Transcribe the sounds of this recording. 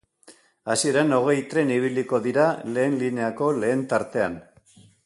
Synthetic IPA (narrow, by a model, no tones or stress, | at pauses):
asie̞ɾeno̞ɣ̞e̞jt̪ɾe̞niβ̞iliko̞ðiɾale̞ːnline̞ako̞le̞ːnt̪aɾt̪e̞a̰n